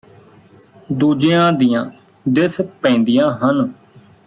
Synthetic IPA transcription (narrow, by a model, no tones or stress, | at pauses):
d̪uːd͡ʒejãːd̪ijãː | d̪ɪspɛ̃ːnd̪ijãːɦən